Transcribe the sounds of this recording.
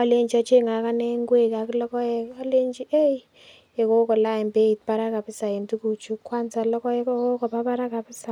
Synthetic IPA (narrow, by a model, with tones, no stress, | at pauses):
ɔ˨le˦ɲd͡ʒi˨ɔ˨˦t͡ʃe˦ŋa˨˦ka˦nɛ˦ŋɡwe˦˨ka˨ki˦lɔ˦kɔ˦ɛ˨ɔ˦le˦ɲd͡ʒi˦ʔe˦i˦ | ɛ˨ko˦kɔ˨la˦˨ɛ˨mbe˦i˨t̚pa˦ɾa˦ka˨pɪ˦sa˨e˨ntu˦ku˨t͡ʃu˦kːwa˦nsa˨lɔ˦kɔ˦ko˦kɔ˨pa˦pa˦ɾa˦ka˨pɪ˦sa˨